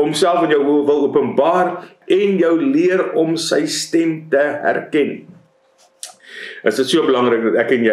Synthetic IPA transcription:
ɔmsælˠfənjœwvəlˠuəpənbɑːr | ɛnjəwliərɔmsəjstɛmtəɦæ̰rkɛn | ʔəsdətsuəbəlɐŋrək̚dɐtækːɛnjə

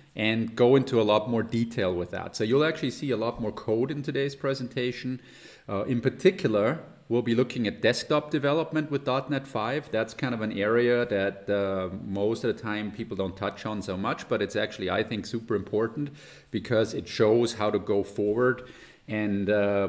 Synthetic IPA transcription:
ʔɨ̃nɡoʊɪ̃ntʰuəlɔt̚mɔɹditʰeɪlˠwɨðæ̰tsoʊjɨl̩ˠæk̚t͡ʃʉl̩ˠisiəlɔt̚mɔɹkʰoʊɾɨ̃ntʰɨdeɪz̥pʰɹ̥ɛzɨ̃n̩tʰeɪʃn̩ | ʔɪ̃npʰə˞tʰɪkjl̩ˠə˞ | wilˠbilʊkɪ̃ŋɨt̚d̥ɛsk̚tɑp̚d̥ɨvɛlˠəp̚mɨ̃nʔ̚wɨðdɑtⁿnɛtfaɪvðætskʰãɪ̃ndʌvɨ̃nɛɹiɨðɨt̚ʌmoʊstʌvðɨtʰãɪ̃mpʰipl̩ˠdõʊ̃ntʰʌt͡ʃn̩soʊmʌt͡ʃb̥ʌɾɨtsæk̚t͡ʃʉl̩ˠia̰ɪθɪ̃ŋksʉpə˞ɨ̃mpʰɔɹʔn̩ | b̥ɨkʰʌzɨtʃoʊz̥haʊɾɨɡoʊfɔɹwə˞d | ɨ̃n

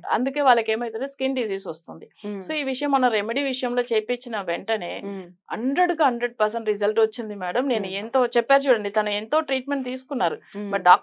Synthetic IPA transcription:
ɐ̰nd̪uke̞ːʋaːɭːɐke̞ːmɐjt̪eːneskinɖis̬iːsʋɐst̪und̪iso̞ːiːʋiʂɐjɐmːɐnɐɾemeɖiːʋiʂɐjɐmlo̞ːt͡ʃeːpeːt͡ʃːinɐʋeɳʈɐne̞ːɐɳɖɾeɽuɡaːɦɐɳɖɾeɖ̚pɐɾsɐɳʈɾizɐlʈot͡ʃːind̪imɛːɽɐmne̞ːnuent̪o̞ːt͡ʃɛpːaːɾt͡ʃuːɽɐɳɖit̪ɐnɐent̪o̞ːʈɾiːʈ̚me̞ɳʈ̚t̪iːsu̥kunːaːɾubɐɖaː

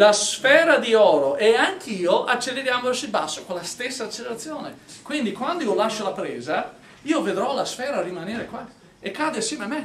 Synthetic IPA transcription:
lasfɛːɾad̪iɔːɾoʔɛaŋkʰiːoʔat͡ʃːelːeɾjaːmoat͡ʃilbasːokolːast̪esːaːt͡ʃːeleɾat̪sːjoːnekwind̪ikwand̪oiːolaʃːolapɾɛːza | iːoved̪ɾɔlasfɛːɾaːɾimanɛːɾekwa | ekːaːd̪easjɛːmeamːe

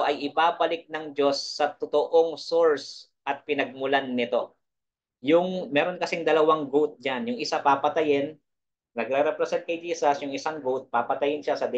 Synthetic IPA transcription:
ʔɐjʔɪpaːpɐlɪk̚nɐŋd͡ʒo̞sːɐt̪ot̪oʔoŋsoɹs | ʔɐt̪̚pɪnɐɡ̚mʊlanːɪt̪o̞ | jʊŋmɛːɾonkɐsɪŋd̪ɐlɐwaŋɡut̪̚d͡ʒanjʊŋɪsapaːpɐt̪ɐjɪn | nɐɡ̚ɾɛɾɛpɾɛsɛnt̪̚kɐjd͡ʒiːsɐsjʊŋɪsaŋɡut̪̚paːpɐt̪ɐjɪnʃasɐd̪ɛ

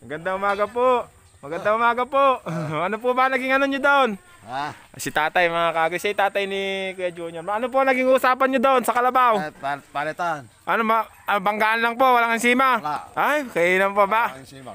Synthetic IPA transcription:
mɐɡɐnd̪aŋʊmaːɡapoʔ | mɐɡɐnd̪aŋʊmaːɡapoʔʔɐnop̬obaŋnɐɡɪŋɐnoɲod̪oon | sit̪aːt̪ajmɐŋakaːɡɪsait̪aːt̪ajnikuad͡ʒuːɲoɾmaɐnop̬oaŋnɐɡiŋʊʊsaːpanɲɲod̪oonsɐkɐlɐbawpat̪an | ʔanoma | bɐŋɡaʔanlaŋpoʔwalaŋaŋsiːmaʔajkɐinampoba

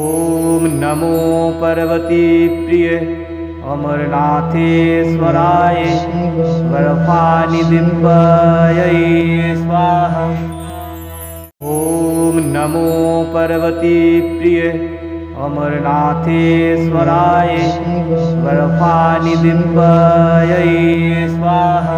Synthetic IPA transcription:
oːmnɐmoːpɐɾɐʋɐt̪ipɾije | ɐ̰mɐɾnaːt̪ʰesʋɐɾaːje | ʋɐɾfʰaːnid̪impɐjɐisʋaːɦɐ | ɦoːmnɐmopɐɾɐʋɐt̪ipɾije | ɐ̰mɐɾnaːt̪ʰesʋɐɾaːje | ʋɐɾɐfʰaːnid̪impɐjɐi | sʋaːɦɐ

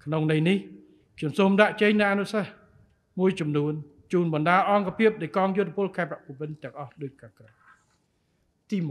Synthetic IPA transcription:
kʰnoŋnɨjnih | kʰɲomsoːmɗaʔt͡ɕeɲnɨʔanusah | muəjt͡ɕɑmnuən | t͡ɕuːnɓɑnɗaːʔɑŋkapʰiəp̚ɗajkɑːŋjʊt̪ʰːepoəlkʰaɛpaʔpʋɨnt̪ɛ̆əŋʔɑhɗoːc̚kaːkra | t̪iːmu

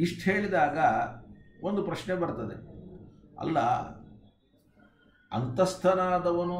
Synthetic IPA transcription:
iʂʈɦe̞ːɭid̪aːɡɐ | ond̪upɾɐʃnebɐɾt̪ɐd̪ḛ | ɐ̰lːɐ̰ | ɐ̰nt̪ɐst̪ʰɐnaːd̪ɐʋɐnu

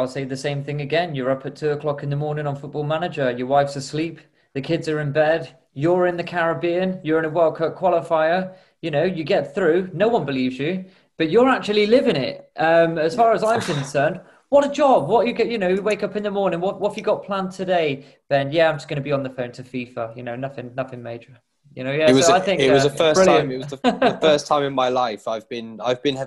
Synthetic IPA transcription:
ɪlˠseɪðɨsẽɪ̃mθɪ̃ŋɨɡɛ̃njə˞ʌpʰətʰʉəkʰl̥ɒkɨ̃nðəmɔɹnɪ̃ŋə̃nfʊt̚b̥ɔːlˠmanɨd͡ʒə˞jə˞waɪfsəslip | ðɨkʰɪdzə˞ɪ̃nbɛd | jə˞ɪ̃nðɨkʰaɹəbĩə̃njə˞ɪ̃nəwɜlˠkʰɜ˞kʰw̥ɒlˠɪfaɪə | jɨnoʊjɨɡɛt̪̚θɹʉnoʊwʌ̃nbɪlivzjɨ | b̥ʌt͡ʃəak̚t͡ʃʉl̩ˠilɪvɪ̃ŋɪ̰t̚ʔʌ̃məz̥fɑːɹəzãɪ̃mkʰə̃nsɜ̃˞nd̚ | wʌɾəd͡ʒɒbwɒt͡ʃɨɡɛʔjɨnoʊweɪkʌpɨ̃nðəmɔɹnɪ̃ŋwʌʔwʌtfjɨɡɒt̚pʰl̥ãntʰɨdeɪ | ðɨ̃njæãɪ̃md͡ʒʌsɡ̥ʌnəbiə̃nðəfõʊ̃ntʰəfiˑfəjɨnoʊnʌθɪ̃ŋnʌθɪ̃ŋmeɪd͡ʒə˞ | jɨnoʊjæɪswʌoʊaɪθɪ̃ŋkɪʔwʌzðəfɜˑsbɹɪl̃ɪ̃mɪwzðəəfɜəˑstʰãɪ̃mɪ̃nmaɪlaɪfaɪvbɪ̃na̰ɪvbɨ̃nɛ

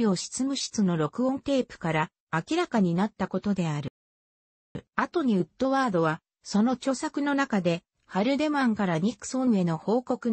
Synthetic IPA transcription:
oɕi̥t͡sɨmɯ̟ɕi̥t͡sɨno̞ɾo̞kɯ̟õ̞nt̪e̞ːpɯ̟̥kaɾaː | kʲiɾakaɲ̟inat̪ːako̞t̪o̞d̪e̞aɾɯ̟ | at̪o̞ɲ̟iɯ̟t̪ːo̞βaːd̪o̞βa | so̞no̞t͡ɕo̞sakɯ̟no̞nakad̪e̞ | haɾɯ̟d̪e̞mãŋkaɾaɲ̟ikɯ̥soe̞no̞ho̞ːko̞kɯ̟

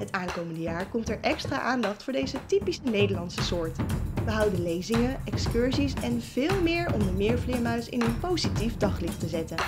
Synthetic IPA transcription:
ɦətaːŋkowməndəjaːɹkɔmtɛɹʔɛkstra̰ːʔaːndɑχtfʊːɹdejzətipisənejdəɹlɑnsəsʊːɹtʋəɦʌwdəlejzɪŋəʔɛkskʏɹzisɛnv̥ɪːlˠmɪːɹɔ̰mdəmɪːɹvlɪːɹmœɥsɪ̰nənpowzitifdɑχlɪχtəzɛtən

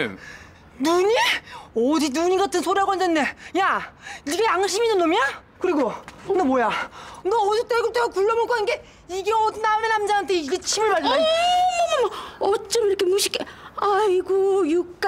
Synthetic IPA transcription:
nuɲiʌdinuɲiɡatʰɯnsʰoɾjaɡwʌnd͡ʑande̞jaiɡeaŋɕʰiminːɯnːoma | kɯɾiɡonʌmojanʌʌd͡ʑot͈eɡɯɭt͈eɡokuɭːʌmok͈ʰaninɡe | iɡeʌdnamenhamd͡ʑaantʰeiɡet͡ɕʰimɯɭbaɭɯai | maʌt͡ɕ͈ʌmiɾʌkʰemoɕʰi̥k͈ʰeaiɡojukk͈

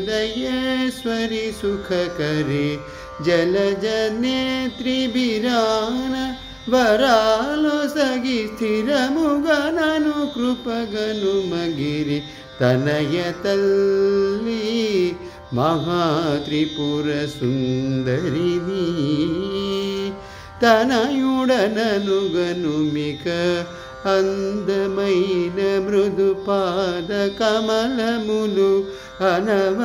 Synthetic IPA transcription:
d̪ɐjɐsʋɐɾisukʰɐkɐɾi | d͡ʒɐlɐd͡ʒɐnet̪ɾibiɾaːnɐ | ʋɐɾaːlosɐɡist̪ʰiɾɐmuɡananukɾupɐɡɐnumɐɡiɾi | t̪ɐnɐjɐt̪ɐlː | i | mɐɦaːt̪ɾipuːɾɐsund̪ɐɾini | t̪ɐnɐjuɽɐnɐnuɡɐnumikɐ | ɐnd̪ɐmɐjnɐmɾud̪ʱupaːd̪ɐkɐmɐlɐmulu | ɐnɐʋ

